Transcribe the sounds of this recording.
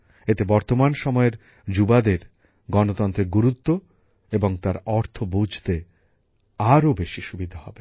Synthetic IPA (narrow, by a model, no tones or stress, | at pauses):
et̪ebɔɾt̪omanʃɔmɔeɾ | d͡ʑubad̪eɾ | ɡɔnot̪ɔnt̪ɾeɾɡuɾut̪ːo | eboŋt̪aɾɔɾt̪ʰobud͡ʑʱt̪e | aɾobeʃiʃubid̪ʱahɔbe